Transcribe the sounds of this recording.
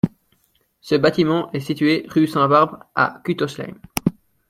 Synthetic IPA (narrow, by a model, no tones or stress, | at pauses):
səbat̪imɑ̃ʔɛsit̪ɥeʁysɛ̃baʁbʁa̰kʲyt̪ɔʃlɛ̰m